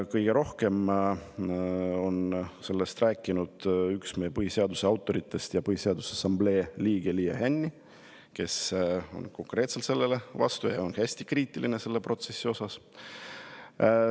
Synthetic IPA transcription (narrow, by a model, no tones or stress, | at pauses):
kɤjɡ̥e̞ɾo̞hke̞m | o̞nse̞lːe̞st̪ræːkːˑinud̪̥yksmejepɤhise̞ɑd̪use̞ɑwt̪ˑːo̞ɾit̪ˑːe̞st̪jɑpɤhise̞ɑd̪̥usesɑmble̞ːliːɡ̥eliːɑ̰hænʲːi | ke̞so̞̰nko̞ŋkre̞ːt̪selt̪se̞lːe̞le̞vɑ̰st̪ujɑonhæsʲt̪i̥kriːt̪ːˑiline̞se̞lːe̞pro̞t̪se̞sʲːio̞sɑs